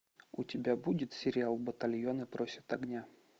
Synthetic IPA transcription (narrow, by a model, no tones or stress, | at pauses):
ʊtʲɪbʲabudʲɪt̪sʲɪɾʲɪalˠbət̪ɐlʲjonəpɾo̞sʲɪ̥t̪ɐɡnʲa